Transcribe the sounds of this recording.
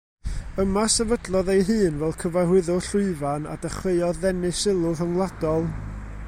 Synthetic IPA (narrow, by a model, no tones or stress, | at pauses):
əmasɛvədlˠɔðejɦɨːnvɛlˠkʰəvahwɪðɔɬʊɨvana̰dəχweɨɔðɛnɨsɪlˠʊɾəŋlˠadɔlˠ